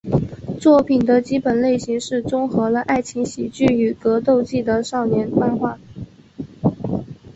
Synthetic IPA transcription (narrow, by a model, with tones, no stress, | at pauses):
t͡swɔ˥˩pʰi˨˩nd̪ə˦t͡ɕi˥pə˨˩nle˥˩ɪɕi˧˥ŋʂɻ̩˥˩t͡sʊ˥ŋxɤ˧˥lə˧ʔa˥˩ɪt͡ɕʰi˧˥ŋɕi˨˩t͡ɕy˥˩y˧˥kɤ˧˥t̪o˥˧ʊt͡ɕi˥˩d̪ə˩ʂɑ˥˩ʊnjɛ˧˥npwa˥nxwa˥˩